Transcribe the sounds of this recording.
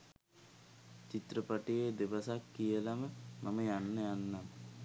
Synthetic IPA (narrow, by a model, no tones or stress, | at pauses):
t͡ʃit̪rəpɐʈijed̪eʋɐsakːijɐlɐməmɐmɐjanːɐjanːɐm